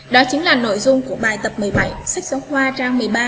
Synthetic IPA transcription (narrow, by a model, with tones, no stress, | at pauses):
ɗɔ˨˦t͡ɕï˨˦ŋ̟laː˨˩no̰˧˨jzʊ˧ŋ͡mku˧˩əɓaː˨˩jt̪ə˨˩p̚mɨ˨˩əjɓa˧˩jsa˦˥k̟̚sə˨˦whwaː˧t͡ɕaː˧ŋmɨ˨˩əjɓaː˧